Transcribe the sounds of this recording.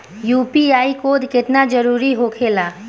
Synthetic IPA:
juːpiaːikod̪ʱkɪt̪nad͡ʒəɾuːɾiɦokʰela

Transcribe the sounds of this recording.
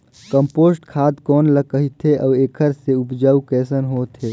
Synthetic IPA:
kəmpoːsʈkʰaːd̪kɔːnləkəɦit̪ʰeʔɔːeːkʰəɾseʊpd͡ʒaːukɛːsənɦoːt̪ɦeː

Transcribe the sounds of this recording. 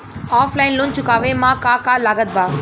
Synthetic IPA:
aːflaːɪnlõːnt͡ɕʊkaːʋemãːkaːkaːlaːɡət̪̚bʱaː

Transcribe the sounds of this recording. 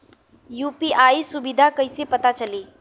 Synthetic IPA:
juːpiʔaisubid̪ʱakəjsepət̪at͡ʃəliː

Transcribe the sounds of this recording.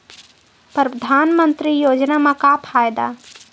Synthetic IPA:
pɾəpd̪ʱaːnmənt̪ɾijoːd͡ʒnamãkapʰajd̪a̰

